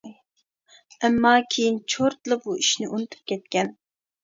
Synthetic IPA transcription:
ɛmːɑkʲʰejint͡ʃʰoɾt̪lˠɨqbuiʃnɪʔunɨt̪ʰu̥p̚kʲʰɛt̪̚kʲɛn

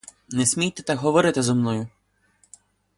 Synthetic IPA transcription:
nɛsʲmʲijt̪ɛt̪akɦɔʋɔɾɪt̪ɪzɔmnɔjʊ

